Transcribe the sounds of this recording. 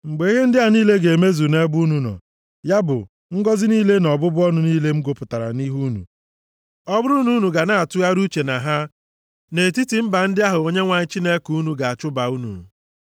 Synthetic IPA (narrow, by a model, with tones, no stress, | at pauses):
ŋ͡m̩˨ɡ͡be˨i˦ɦe˦n̩˦dɪ˦a˨niː˦le˦ɡe˨me˦zu˨ne˦bu˦nu˨nɔ̰˨ | ja˦bʊ̰˨ | ŋ̩˦ɡɔ˦zɪ˦niː˦le˦nɔ˨bʊ˦bʊ˦ɔ˦nʊ˦niː˦le˦ŋ͡m̩˦ɡo˦pʊ˨ta˨ɾa̰˨ni˦ɦu˦nṵ˨ | ɔ˦bʊ˦ɾu˦nu˦nu˨ɡa˨na˦a˨tu˦a˦ɾu˦t͡ʃe˨na˨ɦa˦ | ne˨ti˦ti˨m̩˦ba˨n̩˦dɪ˦a˦ɦʊ˨o˦ɲe˦ŋʷa˨ɲɪ˦t͡ʃi˦ne˦kuu˦nu˨ɡa˨a˨t͡ʃʊ˦ba˨u˦nṵ˨